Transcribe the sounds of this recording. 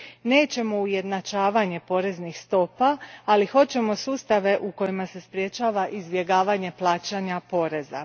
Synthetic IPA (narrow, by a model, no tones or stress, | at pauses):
ne̞ːt͡ɕe̞mo̞uje̞d̪nat͡ʃaːʋaɲe̞po̞ɾe̞znixst̪o̞paːlixo̞t͡ɕe̞mo̞suːst̪aʋe̞ʔuko̞jimase̞spɾje̞t͡ʃaːʋaʔizbje̞ɡaːʋaɲe̞plˠaːt͡ʃaɲapo̞ɾe̞za̰